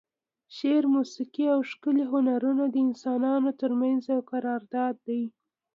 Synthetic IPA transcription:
ʃeɾmusiqiawʃkəliɦʊnaɾunad̪əɪnsɑnɑnot̪əɾmanzawqaɾɑɾd̪ɑd̪ːaj

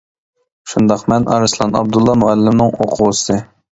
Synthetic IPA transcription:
ʃund̪ɑqmɛnʔɑ̰ɾɨslˠɑnɑ̰b̚d̪ulˠːɑmuælːɪmnɪŋoqʰʊwɨsɨ

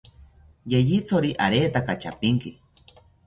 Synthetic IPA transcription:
jejit͡soɾiʔaɾet̪akat͡ʃa̰piŋki

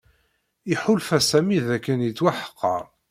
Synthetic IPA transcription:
iħʊlfæsæmiðækːænjt͡sːwaħə̥qːɑ̰ɾ

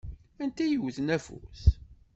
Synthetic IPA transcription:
ænt̪æjəwθnæfṵθ

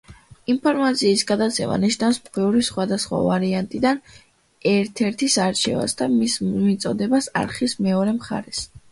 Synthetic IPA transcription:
impʰɔɾmat̪sʰiːsɡad̪at̪sʰɛ̰ma̰niʃnafsqɛvɾisχwad̪asχwa̰vaɾiant̪ʼid̪an | ɛɾt̪ʰɛɾt̪ʰisaɾt͡ʃʰɛ̰va̰sd̪amismit̪sʼɔd̪ɛbasa̰ɾχismɛɔɾɛmχa̰ɾɛs

